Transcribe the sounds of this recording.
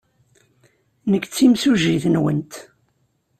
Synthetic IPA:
nəkːt͡sːimsuʒiθənwənt̪

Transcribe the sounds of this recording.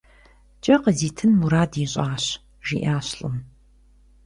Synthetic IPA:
t͡ʃʼɐqəziːtʰɨnmuɾaːdiɕʼaːɕ | ʒḭʔaːɕɬɨ̰m

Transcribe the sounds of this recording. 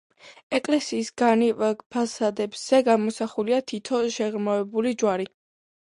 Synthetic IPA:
ɛkʼlɛsiːsɡanivɛpʰasad̪ɛbz̥ɛɡamɔsaχuliat̪ʰit̪ʰɔʃɛʁɾmavɛbulid͡ʒwaɾi

